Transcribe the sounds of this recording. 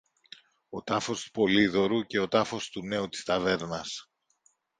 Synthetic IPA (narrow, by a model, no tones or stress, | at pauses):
o̞t̪ɐfo̞st̪u̥po̞liðo̞ɾuce̞o̞t̪ɐfo̞st̪une̞ut̪i̥st̪ɐve̞ɾnɐs